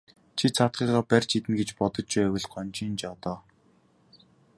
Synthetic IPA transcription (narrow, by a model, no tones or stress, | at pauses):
t͡ɕʰit͡sʰat̪̚ɢiːʁaːpærʲt͡ɕʰit̪ɘ̆nɡet͡ɕpɔt̪ɞ̆t͡ɕt͡ɕuːæwɘ̆ɮɔnʲt͡ɕiːnt͡ɕɔt̪ɔː